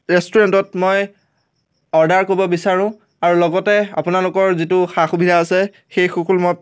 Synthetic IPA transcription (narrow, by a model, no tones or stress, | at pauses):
ɹɛstuɹɛntɔtmɔj | ɔɹdaɹkoɹibɔbisaɹʊ̃ | aɹulɔɡɔtɛa̰pʊnalʊkɔɹzitʊxaxubʱidʱaːsɛ | xejxukulmɔj